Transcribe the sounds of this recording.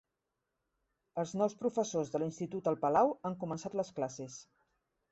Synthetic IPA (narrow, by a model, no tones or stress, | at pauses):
əlˠznɔwspɾufəsozðəlinst̪it̪ut̪əlˠpəlawaŋkumənsat̪ləsklases